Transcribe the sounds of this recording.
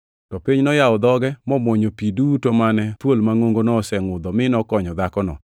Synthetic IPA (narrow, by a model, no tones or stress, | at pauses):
tɔpiɲnɔjaɔd̪ɔɡɛmɔmwoɲopidutomanɛt̪wolmaŋoŋɡonɔsɛŋʊd̪ɔmɪnɔkɔɲɔd̪akɔnɔ̰